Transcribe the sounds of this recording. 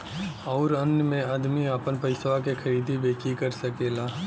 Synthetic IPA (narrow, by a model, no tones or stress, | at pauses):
ɔːɾənjəmẽəd̪miəpənpəɪsʋakexʰɐɾiːd̪ʱibeːkikəɾsəkeːlaː